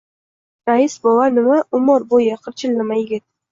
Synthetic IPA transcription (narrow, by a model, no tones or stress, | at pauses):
ɾaɪsbɒwanɪmaʔʊmɒɾbojaqʰɨɾt͡ʃʰɪlnɪmajɪɡʲɪt̪̚